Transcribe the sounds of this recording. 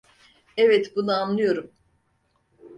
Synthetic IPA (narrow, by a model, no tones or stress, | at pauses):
ɛvɛt̪bunuanlːˠɯjo̞ɾum